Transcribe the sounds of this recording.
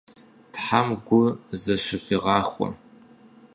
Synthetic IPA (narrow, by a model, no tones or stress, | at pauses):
tħamɡʷʊzɐʂɪfiʁɑːχʷɔ̰